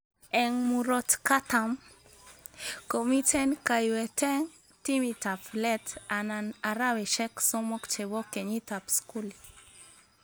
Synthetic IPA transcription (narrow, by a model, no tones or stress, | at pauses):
ɛŋmuɾɔtkatam | komitɛnkajwɛtɛŋ | timitaplɛtananaɾawɛʃɛksɔmɔkt͡ʃɛbɔkeɲitapskuli